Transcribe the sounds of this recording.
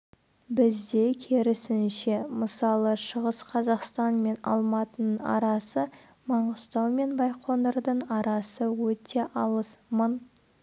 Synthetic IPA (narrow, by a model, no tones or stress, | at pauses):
bɪzd̪e̞kʲʰeɾɪsɪnʃe̞məsɑlˠəʃəʁəsqʰɑzɑqst̪ɑnme̞nɑ̰lˠmɑt̪ənəɴɑ̰ɾɑsə | mɑɴəst̪ɑwme̞nbɑjqʰo̞nd̪əɾd̪əɴɑɾɑsəwɵt̪ʰe̞ʔɑlˠəsmən